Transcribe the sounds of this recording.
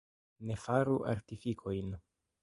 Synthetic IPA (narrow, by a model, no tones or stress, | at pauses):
ne̞faɾuʔa̰ɾtifikʰo̞jn